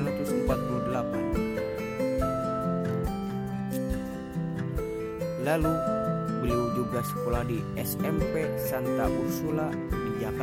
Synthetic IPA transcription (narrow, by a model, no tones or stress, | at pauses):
ɾat̪usəmpat̪̚puludəlapan | lalubəliud͡ʒuɡasə̥kolahdi | ɛsɛmpɛsant̪aʔusula | did͡ʒaka